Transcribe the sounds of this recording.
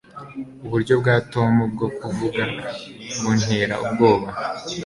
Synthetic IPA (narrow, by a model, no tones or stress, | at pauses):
uβuɾɟo̞b̚ɡaːtomub̚ɡo̞kuvuɡa | ɡun̥heɾa̰ʔubɡo̞ːβa